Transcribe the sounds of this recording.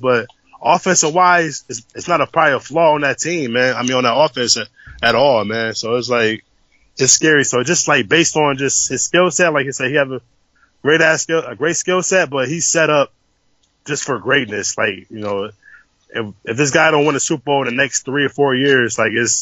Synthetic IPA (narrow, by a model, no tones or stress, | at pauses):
b̥ʌt̚ | ʔɔfɨ̃nsəwaɪz̥ɨsɨtsnəɾəpʰɹ̥aɪəflɔə̃nðɨtʰĩmːæ̃naɪmĩnə̃nðəɾɔfɨ̃sɨ | ɨɾɔlˠmæ̃nsoʊɪts̬laɪk | ɨtskɛɹisoʊɨd̥ʒ̥ʌst̚ˡlaɪk̚b̥eɪstn̩d͡ʒʌsthɨz̥skɪlˠsɛt̚laɪkisɛhiɨvɨ | ɡ̥ɹeɪɾæskɪɨɡɹeɪtskɪlˠsɛt̚b̥ʌt̚ɦhiz̥sɛɾʌp̚ | d̥ʒ̥ʌstfə˞ɡɹeɪt̚ⁿnɨslaɪkjɨnoʊ | ɪɨfðɪs̬ɡ̥aɪdɾõʊ̃nwɑ̃nɨsup̚boʊvə˞ðɨnɛksθɹiə˞fɔɹjɪɹzlaɪkɪz̥